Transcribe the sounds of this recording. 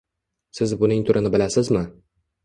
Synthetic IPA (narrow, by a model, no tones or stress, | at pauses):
sɪzbʊnɪŋt̪ʰʊɾɪnɪbɪlasɪzmɪ